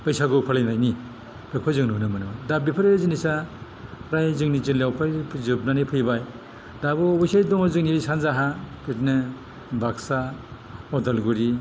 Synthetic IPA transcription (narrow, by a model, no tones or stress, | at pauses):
pɯjsaɡɯpʰalajnajni | bɯkʰɔzɯŋnunɯmɯnɯwadabipʰɯɾezinisa | ɾajzɯŋnizilawpʰajpʰzɯp̚nanipʰɯjbaj | dabɯɔjsajdɔŋɔzɯŋniɾisanzaɦapʰɯtnɯ | bʱaksa | ɔdalɡuɾi